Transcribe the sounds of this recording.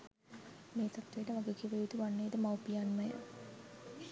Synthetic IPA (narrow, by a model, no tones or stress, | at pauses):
meːt̪at̪ːejʈəʋaɡekiʋejud̪uʋanːeːd̪əmawpijanməjə̰